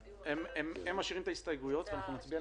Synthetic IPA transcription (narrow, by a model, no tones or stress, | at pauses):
emememːaʃiʁimt̪aist̪ajɡujo̞t̪veanaχnumat͡sbia